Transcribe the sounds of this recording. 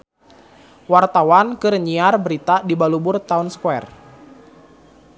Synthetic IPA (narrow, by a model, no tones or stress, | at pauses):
wart̪awankɨɾəɲiarbəɾit̪adibalubʊrt̪aʊnskwɛr